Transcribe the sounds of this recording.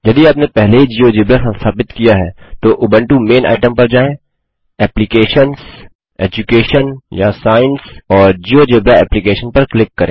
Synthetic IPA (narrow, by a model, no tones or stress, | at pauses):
jɐd̪iaːpnepɛɦleɦid͡ʒiːod͡ʒɪbɾasɐ̃nst̪ʰaːpɪt̪kijaɦɛːt̪oʔʊːbə̃ɳʈumeːna̰ːɪʈəmpɐɾd͡ʒaːẽ | ɛːplɪkeːʃəns | ɛ̰ːd͡ʒukeːʃənjasaːɪnsɔːɾd͡ʒiːoːd͡ʒɪbɾaɛ̰ːplikeːʃənpɐɾklɪkːɐɾʔẽː